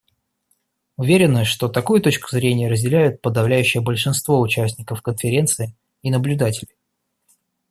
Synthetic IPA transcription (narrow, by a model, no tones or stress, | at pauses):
ʊvʲeɾʲɪnːəʂt̪o̞t̪ɐkujʊt̪o̞t͡ɕkʊ̥zɾʲenʲɪjəɾəzʲdʲɪlʲæjʊt̪̚pəd̪ɐvlʲæjʉɕːɪjəbəlʲʂɨnst̪vo̞ʊt͡ɕæsʲnʲɪkəfkənfʲɪɾʲe̞nt̪sɨɪ | inəblʲʉd̪atʲɪlʲɪj